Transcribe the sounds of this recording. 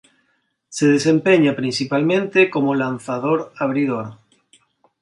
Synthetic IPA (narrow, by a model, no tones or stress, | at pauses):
seðesẽmpeɲapɾĩnsipalmẽnt̪ekomolanθaðoɾaβ̞ɾiðoɾ